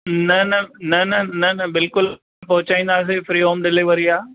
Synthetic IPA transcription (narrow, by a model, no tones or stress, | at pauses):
nɐnɐnɐnɐnɐnɐbɪlkʊl | pɐɦʊt͡ɕaːĩːn̆d̪aːs̬efɾiːɦoːmɗɪliʋəɾiaː